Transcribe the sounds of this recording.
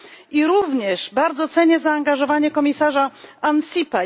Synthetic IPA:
iɾuvɲɛʂbaɾd̪zɔt̪sɛɲɛzaːŋɡaʐɔvaɲɛkɔmʲisaʐaansʲipa

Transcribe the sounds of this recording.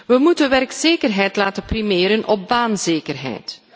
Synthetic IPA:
ʋəmutənʋɛrkseːkərɦɛjtlaːtənprimeːɾənʔɔp̚baːnzeːkərɦɛ̰jt

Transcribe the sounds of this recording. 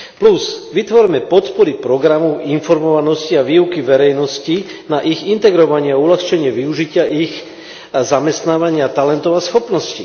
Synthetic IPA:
pluzʋit̪ʋɔɾmɛpɔt̪pɔɾipɾɔɡɾamɔʊinfɔɾmɔʋanɔsciaʋiːukiʋɛɾɛjnɔscinaʔiɣint̪ɛɡɾɔʋaɲɪaaulaxt͡ʃɛɲɪɛʋiuʒicɪaʔix | zamɛst̪naːʋaɲɪat̪alɛnt̪ɔʊasxɔpnɔsci

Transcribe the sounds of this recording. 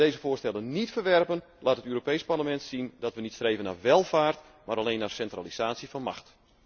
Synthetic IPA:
deːzəfʊːstɛlənnitfərʋɛrpən | laːtətøːropejsparləmɛntsindɔtʋənitstreːvənaʋɛlˠvaːrt | maɾalejnːarsɛntraliz̥aːtsifɑnma̰xt

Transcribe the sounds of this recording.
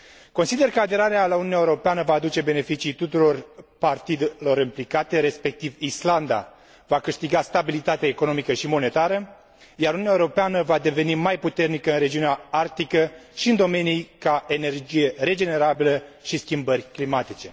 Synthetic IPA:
ko̞nsid̪e̞rkəad̪e̞ɾaɾealaununaeuɾo̞peanəvaːd̪ut͡ʃe̞be̞ne̞fit͡ʃijt̪ut̪uɾo̞rpart̪id̪elo̞ɾimplikat̪e̞ɾe̞spe̞k̚t̪ivisland̪a̰ | vakɨʃt̪iɡast̪abilit̪at̪eaeko̞no̞mikəʃimo̞ne̞t̪aɾə | jaɾununʲaeoɾo̞peanəvad̪e̞ve̞nimajput̪e̞rnikəɨnɾe̞d͡ʒiuneaart̪ikəʃiɨnd̪o̞me̞nijkae̞ne̞rd͡ʒije̞ɾe̞d͡ʒe̞ne̞ɾabiləʃiskʲimbərʲklimat̪it͡ʃe̞

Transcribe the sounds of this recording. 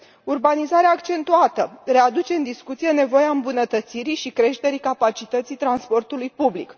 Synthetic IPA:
urbanizaɾeaːkt͡ʃe̞nt̪uat̪əre̞ad̪ut͡ʃe̞ɨnd̪iskut̪sije̞ne̞vo̞jeaɨmbunət̪ət̪siɾiʃikɾe̞ʃt̪e̞ɾikapat͡ʃit̪ət̪sijt̪ɾanspo̞rt̪ulujpublik

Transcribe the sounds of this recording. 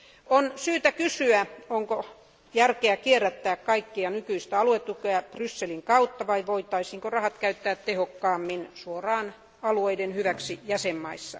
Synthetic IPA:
onsyːt̪ækysyæoŋko | jærkeækierːæt̪ːæːkkɑikːiɑnykyist̪æɑluet̪ːukeæprysːeliŋkɑut̪ːɑʋɑiʋoit̪ɑisiːŋkorɑhɑt̪kæyt̪ːæːt̪t̪ehokːɑːmːinsuorɑːn | ɑlueidenhyʋæksijæsemːɑisːɑ̰

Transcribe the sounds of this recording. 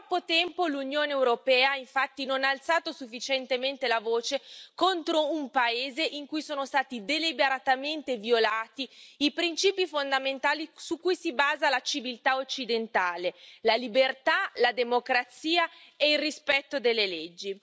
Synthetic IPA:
apːot̪ɛmpolunjoːneːwɾopɛːaaiɱfat̪ːinonaːlt̪saːt̪osufːit͡ʃent̪ement̪elavoːt͡ʃekont̪ɾoumpaeːzeʔiŋkujsoːnost̪aːt̪id̪elibeɾat̪ament̪evjolaːt̪iipɾint͡ʃiːpifond̪ament̪aːlisukːujsibaːzalat͡ʃivilt̪aot͡ʃːid̪ent̪aːlelalibert̪alad̪emokɾat̪siːaeilrispɛt̪ːod̪elːeled͡ʒːi

